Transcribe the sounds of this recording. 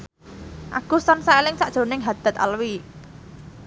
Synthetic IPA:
ʔa̰ɡ̥ṳsɔnsaelɪŋsaʔd̥ʒ̥o̤nɪŋɦad̪̥a̤t̪̚a̰lwi

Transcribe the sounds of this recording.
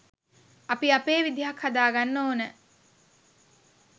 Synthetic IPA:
ɐpiɐpeːʋid̪iɦakhad̪aːɡanːoːnə

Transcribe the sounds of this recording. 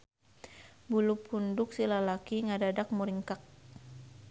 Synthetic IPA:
bulupundʊk̚silalakiŋadadak̚muɾiŋkak̚

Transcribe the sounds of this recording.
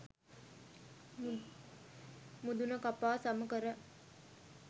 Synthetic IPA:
mud̪unəkapaːsaməkəɾə

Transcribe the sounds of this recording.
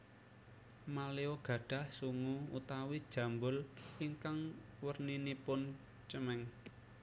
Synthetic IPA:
maleoɡ̥ä̤ɖ̥ä̤hsuŋuut̪awid̥ʒ̥ä̤mbʊliŋkaŋ | wərninipʊn | t͡ʃəmɛŋ

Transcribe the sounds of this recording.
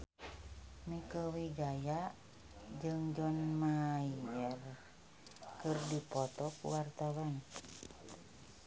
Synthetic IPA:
mikəwiɡaja | d͡ʒɨŋd͡ʒɔnmaiɛr | kɨrdipɔt̪ɔkṵwart̪awan

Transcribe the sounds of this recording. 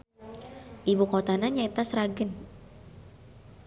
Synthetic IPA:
ʔibukot̪anaɲaet̪asɾaɡən

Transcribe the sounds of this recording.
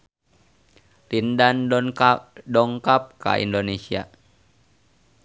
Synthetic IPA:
rindan | dɔŋkap̚ka̰ʔḭndonesia̰

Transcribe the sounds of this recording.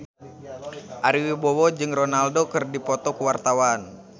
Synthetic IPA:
ʔaɾiwibɔwɔd͡ʒɨŋrɔnaldokɨrdipɔt̪ɔkuwart̪awan

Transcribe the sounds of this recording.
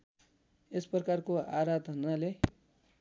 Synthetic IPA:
esprʌkarkoaɾat̪ʌnːale

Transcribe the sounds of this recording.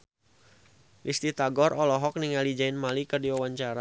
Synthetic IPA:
list̪it̪aɡɔrɔlɔɦɔk̚niŋalid͡ʒainmalikərdiwawaɲt͡ʃaɾa

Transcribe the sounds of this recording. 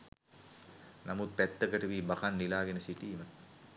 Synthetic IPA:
namut̪̚pæt̪ːəkəʈəʋiːbakanːilaːɡenəsiʈiːmə

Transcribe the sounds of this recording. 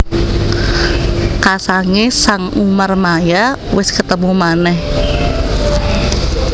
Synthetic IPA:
kasaŋesaŋʔumərmaja | wɪskət̪əmumanɛh

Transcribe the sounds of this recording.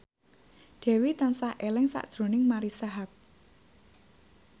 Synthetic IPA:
ɖ̥ɛ̤wit̪ansahʔelɛŋsa̰ʔd̥ʒ̥ɾo̤nɪŋmaɾisaɦat̚

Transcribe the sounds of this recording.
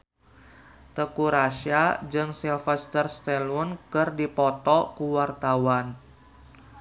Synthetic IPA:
t̪əkuɾaʃad͡ʒɨŋsilfɛst̪ərst̪ɛlunkɨrdipɔt̪ɔkuwart̪awan

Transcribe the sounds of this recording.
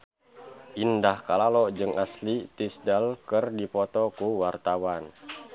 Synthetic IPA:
ʔindahkalalɔd͡ʒɨŋaslit̪isdalkərdipɔt̪ɔkuwart̪awan

